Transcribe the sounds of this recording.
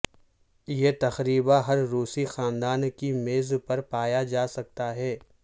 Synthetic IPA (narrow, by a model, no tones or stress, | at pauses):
jeːt̪ɐxɾiːbaɦɐɾːuːsixaːnd̪aːnkimeːzpɐɾpaːjad͡ʒaːsɐk̚t̪aɦɛː